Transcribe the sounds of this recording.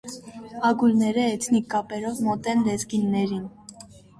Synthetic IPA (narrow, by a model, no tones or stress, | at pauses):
ɑɡulnɛɾəɛtʰnikːɑpɛɾɔvmɔt̪ɛnlɛzɡinːɛɾin